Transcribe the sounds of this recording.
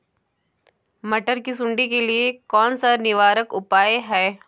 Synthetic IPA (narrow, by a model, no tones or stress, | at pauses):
mɐʈəɾkisʊ̃ɳɖikeliekɔːnsanɪʋaːɾəkʊpaːeɦɛː